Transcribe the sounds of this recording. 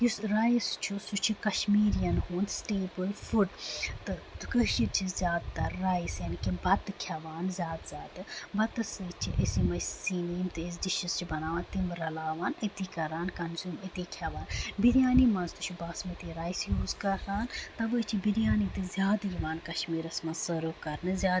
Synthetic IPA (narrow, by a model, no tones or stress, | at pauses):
jusɾaːjst͡ʃʰusut͡ʃʰikɐʃmiːɾijɐnhuːnsʈeːbɨlfuɖt̪ɨkəʃit͡ʃʰizʲjaːd̪̚t̪ɐɾːaːisjɐːnikibɐt̪kʲʰjɐʋaːnzʲjaːd̪z̥ʲaːd̪ɨbɐt̪ɐsɨt͡ʃʰiʔɐsimɐjssiːniːmt̪ɨesd̪iʃizt͡ʃʰibɐnaːʋaːnt̪imɾɐlaːʋaːnit̪iːkɐɾaːnkɐnzjuːmɐt̪ikʲʰjɐʋaːnbid̪jaːnimɐ̃nzt̪u̥t͡ʃʰibaːsmɐt̪iːɾaːjsjuːzkɐɾaːnt̪ɐʋɨt͡ʃʰibid̪jaːnit̪ɨzʲjaːd̪ɾiʋaːnkɐʃmiːɾɐsmɐnsɐɾuːkɐɾnɨzʲaː